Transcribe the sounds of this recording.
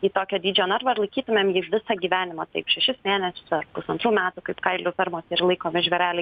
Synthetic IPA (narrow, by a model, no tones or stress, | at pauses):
iːt̪oːkʲɛːd̪ʲiːd͡ʒʲoːnɐrɾʋɐɪɾlˠɐɪkʲiːt̪ʊmʲeːmjiːʋʲɪsɐːɡʲiːʋʲæːnʲɪmɐt̪ɐɪpʃʲɛʃʲɪsmʲeːnʲɛsʲʊ̥sɐrpʊsɐnt̪ɾuːmʲæːt̪ukɐɪpkɐɪlʲʊːpʲɪɾmoːsɪrlˠɐɪkoːmʲɪʒʲʋʲɛɾʲæːlʲɛɪ